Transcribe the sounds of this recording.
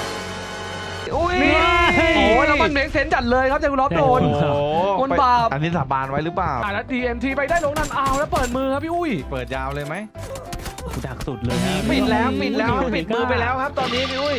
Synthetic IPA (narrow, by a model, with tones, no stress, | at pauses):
ʔu˦˥˩jmi˧ɔː˨˩lɛː˦˥wma˧nmiː˨˦˥k̚se˦˥nt͡ɕa˨˩t̪̚lɤː˧jkʰa˦˥p̚t͡ɕa˨˩kʰːu˧lɔː˦˥p̚doː˧n˧ŋo˧baː˨˩p̚ʔa˧nːiː˦˥˩saː˨˩˦baː˧nwa˦˥jɾɯː˦˥plaː˨˩wʔaː˨˩t̪ʔa˧˥diː˧ʔe˧nt̪ʰiː˧pa˧jdaː˥˩jloː˧˥ŋnaː˧˥˩mʔaː˧wlɛː˦˥wpɤː˨˩t̪̚mɯː˧kʰa˦˥p̚ʰːi˥ʔu˥˩jpɤː˨˩t̪̚jaː˧wlɤː˧jma˦˥j | daː˨˩k̚su˨˩t̪̚lɤː˧jpi˨˩t̪̚lɛː˦˥wpi˨˩t̪̚lɛː˦˥wka˦˥pi˨˩t̪̚mɯː˧pa˧jlɛː˦˥wkʰa˦˥p̚t̪ɔː˧nːiː˦˥pʰiː˦˥ʔu˥˩j